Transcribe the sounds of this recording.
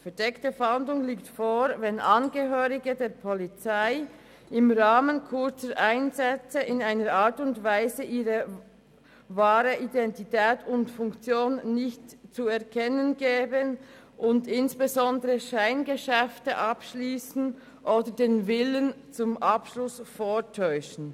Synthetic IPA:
fɛɐdɛktəfandlʊŋliːktfoːɾvɛnʔɑnɡəɦøːʁɪɡədeːʁpʰɔlit͡saɪ | ɪmʁaːmənkʰʊɐt͡səɾʔaɪnzɛt͡səɪnaɪnəɾʔaːtʊntvaɪzəʔiːʁə | vaːʁəʔidɛntitɛːtʰʊntfʊŋkt͡sjoːnːɪçtt͡suɛʁkʰɛnənɡɛːbən | ʔʊndɪnsb̥ezɔndəʁəʃaɪnɡəʃɛftəʔɑpʃliːsn̩ | ʔoːdədeːnvɪlənt͡sʊmʔɑpʃlʊsfoːtʰɔʏʃn̩

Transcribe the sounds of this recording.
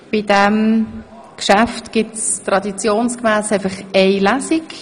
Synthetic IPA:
b̥ɪdɛm | kʃaftɡ̥ɪtstʁɑdit͡sjoːnskmæːsæɪfɑχɛɪlasik

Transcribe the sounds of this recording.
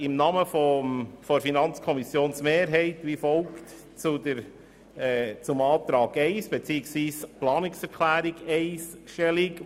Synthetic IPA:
ɪmnɑːməfɔmfɔɾfinɑnt͡skʰɔmisjoːnsmeːɾɦɛɪt̪ʋifɔlkt | t͡sʊd̪əɾ | ɛt͡sʊmɑːt̪ɾɑːɡɛɪsb̥et͡siːəksʋiːsplɑːnɪksɛɾkʰlæːɾɪɡeɪsʃtɛlɪk

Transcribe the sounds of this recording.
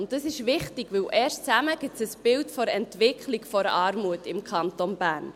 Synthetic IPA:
ʊntdəsɪʃʋɪχtɪɡʋɪwʔɛːrʃt͡sæməɡ̥ɪsəsb̥ɪltfɔɾɛntʋɪkʰχlikfɔɾɑːɾmuətɪmkʰχɑnt̪onbæːrn

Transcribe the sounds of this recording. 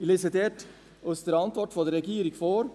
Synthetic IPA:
lɪsɪt̪ʰeːʈ | œst̪əɾɑnt̪ʋɔʈfɔd̪ɾɛɡiːɾɪŋfoːɾ

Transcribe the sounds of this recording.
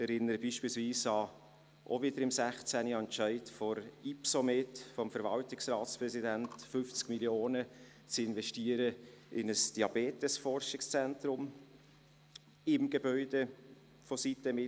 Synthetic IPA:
ɛɾɪnːəɾəbiːʃpiːlsviːsɑ | ʔo̰vɪdəɾɪmsæχt͡sæniɛnt͡ʃæɪtfɔɾipsometfɔmfəɾvɑltɪksrɑːtt͡spɾɛsidæntfʏft͡skmiljoːnə | t͡sɪnvɛʃtiəɾəɪnəsd̥iɑbeːtəsfɔrʃɪkst͡sɛntrʊm | ɪmɡebœʏd̥e | fositəmɪ

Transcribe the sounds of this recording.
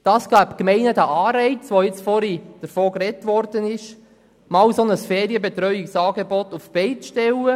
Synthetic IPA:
d̥ɑːsɡ̥æːpkmɛɪnədæʔɑːɾɛɪt͡sʋojɪt͡sfɔɾid̥əɾfoːkɾɛtʋɔɾdənɪʃ | mɑːwsonəsfɛːɾiəbɛt̪ɾœʏiksɑːɡebɔt̪ufb̥ɛɪt͡sʃtɛlːə

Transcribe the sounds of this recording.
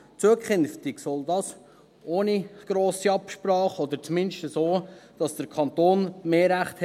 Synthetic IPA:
t͡suəkχœnftiksɔldɑːs | ʔoːniɡ̥ɾoːsiɑpʃpɾɑːχɔd̪əɾt͡smɪnʃtəsoːd̥ɑsd̥əɾkʰɑntoːnmeːɾæχthɛ

